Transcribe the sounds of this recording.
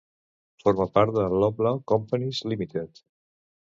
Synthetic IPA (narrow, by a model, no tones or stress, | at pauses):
foɾmapaɾt̪̚d̪əlɔplakɔmpənizlimit̪et̪